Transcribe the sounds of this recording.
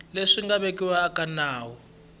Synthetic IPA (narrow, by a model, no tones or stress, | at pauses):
leʂiŋɡaβekiwaːkanaːwɔ